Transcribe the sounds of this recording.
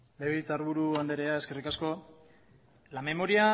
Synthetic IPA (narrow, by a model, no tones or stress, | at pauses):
leβet͡saɾβuɾuand̪eɾe̞aeske̞rikasko̞ | lame̞mo̞ɾia